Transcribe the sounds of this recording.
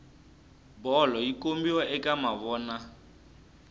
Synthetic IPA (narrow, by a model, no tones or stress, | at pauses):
bɔlɔikʼombiwɔʔɛkʼamaβɔːna